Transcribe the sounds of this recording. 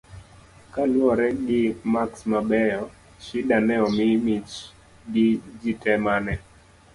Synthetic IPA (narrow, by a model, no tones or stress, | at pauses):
kalwɔɾɛɡɪmaksmabɛjɔ | ʃidanɛɔmimit͡ʃ | ɡɪd͡ʒitɛmanɛ